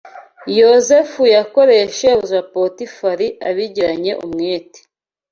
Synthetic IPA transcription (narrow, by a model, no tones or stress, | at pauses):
jozefujako̞ɾe̞ʃeuzapotifaɾia̰βiɟiɾaɲe̞ʔṵmŋeːte̥